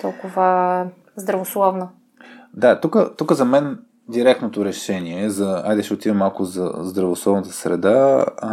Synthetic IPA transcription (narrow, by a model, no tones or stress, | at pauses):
t̪ɔlˠkʊvə | zd̪ɾɐvoslˠɔvnə | d̪at̪ukət̪ukəzɐmɛn | d̪iɾɛk̚t̪not̪oɾɛʃɛniɛzɐa̰jd̪ɛʃɛot̪ivʲɛmalˠkʊzɐ̰zd̪ɾɐvoslˠɔvnət̪ə̥sɾɛ̰d̪a